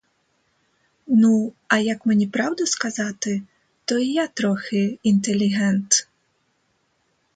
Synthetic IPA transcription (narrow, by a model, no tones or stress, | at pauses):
nu | ɐjɐkmnʲipɾawd̪ɐskazat̪ɨ | t̪ɔijat̪ɾɔxɛint̪ɛlʲiɣɛnt̪